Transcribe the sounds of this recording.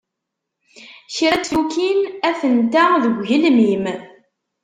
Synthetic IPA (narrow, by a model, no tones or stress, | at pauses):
çɾæt͡sːlukinæfənt̪æðəɡʷʝəlmim